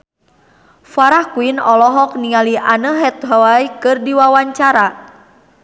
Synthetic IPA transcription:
faɾahkuinɔlɔɦɔk̚niŋaliʔanəɦɛt̪̚ɦawaikɨrdiwawaɲt͡ʃaɾa

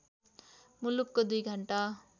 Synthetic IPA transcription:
mulukːod̪ujɡʱʌɳʈa

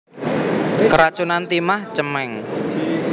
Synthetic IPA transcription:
kəɾat͡ʃunant̪imaht͡ʃəmɛŋ

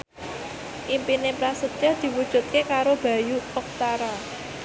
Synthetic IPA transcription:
ʔimpinepɾasət̪ad̪̥i̤wud̥ʒ̥ṳt̪̚kekaɾob̥ä̤juɔk̚t̪aɾa

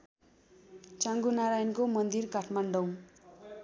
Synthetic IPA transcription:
t͡saŋɡunaɾajnkomʌnd̪irkaʈʰmaɳɖʌw

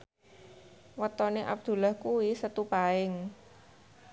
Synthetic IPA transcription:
wət̪ɔneʔa̰b̚d̪̥ṳlahkuwisət̪upaɪŋ

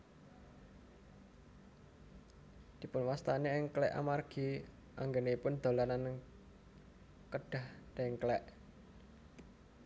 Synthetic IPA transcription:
d̪̥i̤pʊnwast̪aneɪŋklɛʔa̰marɡ̥i | ʔa̰ŋɡeneipʊnd̪̥o̤lanan | kəɖ̥a̤hd̪̥eŋklɛʔ

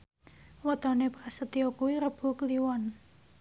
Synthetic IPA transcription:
wɔt̪ɔnepɾasət̪iokuwiɾəb̥ṳkliwɔn

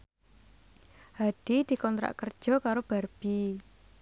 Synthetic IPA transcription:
haɖ̪̥id̪̥i̤kɔnt̪ɾa̰ʔkərd̥ʒ̥ɔ̤kaɾob̥a̤rb̥i

